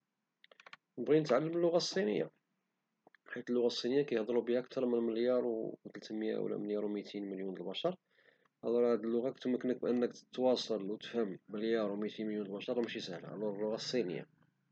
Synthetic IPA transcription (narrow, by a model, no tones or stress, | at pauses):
nəbɣinət̪ʕalːəməlːʊɣæsˤːinə̰jːa̰ | ħit̪əlːʊɣæsˤːinəjːakæjhd̪ˤlubihæʔk̚t̪ɑɾˤmənməljɑɾˤt̪əlt̪mja̰wlæ̰məljɑɾˤwmijt̪inməljunəlbæʃɑɾˤ | hælɑɾhæd̪əlːʊɣakt̪məkːənək̚bʔənːək̪t̪wɑsˤɑlwt̪əfhəmːəljɑɾˤwmjt̪inməljunlbæʃɑɾˤmʃisəhlæ̰ʔæ̰lɑɾˤlːʊɣæsˤːinə̰jːa̰